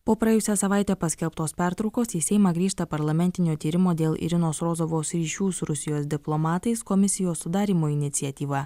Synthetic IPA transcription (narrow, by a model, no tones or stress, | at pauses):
poːpɾɐɛːjʊsʲɛsɐʋɑˑɪt̪ʲɛpɐsʲkʲɛlˠpt̪oːspʲæˑɾt̪ɾɐʊkoːsiːsʲɛɪmɐɡɾʲiːʃt̪ɐpɐɾlˠɐmʲɛnʲt̪ʲɪnʲoːt̪ʲiːɾʲɪmoːd̪ʲeːlˠɪ̰ɾʲɪnoːsɾoːzoʋoːsɾʲiːʃʲuːsʊɾʊsʲɪjoːsd̪ʲɪplˠomɑːt̪ɐɪskɔmʲɪsʲɪjoːsːʊd̪ɑːɾʲiːmoːɪnʲɪt̪sʲiɛt̪ʲiːʋɑ